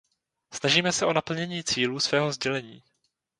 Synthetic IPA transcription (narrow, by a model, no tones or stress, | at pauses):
snaʒiːmɛsɛʔo̞napl̩ɲɛɲiːt͡siːluːsvɛːɦozɟɛlɛɲiː